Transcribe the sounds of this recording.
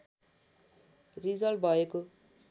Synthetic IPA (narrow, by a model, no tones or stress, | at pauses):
rizʌl̚bʱʌeko